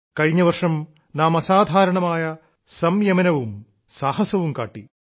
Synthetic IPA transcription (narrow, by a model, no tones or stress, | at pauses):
kɐɻiɲːɐʋɐrʂɐm | naːmɐsaːd̪ʱaːɾɐɳɐmaːjɐ | sɐmjɐmɐnɐʋum | saːɦɐsɐʋumkaːʈːi